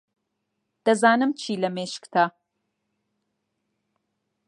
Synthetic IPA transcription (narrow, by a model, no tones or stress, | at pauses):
d̪̥ɐzaːnɨmt͡ʃʰiːlɐmeːʃkt̪ʰaː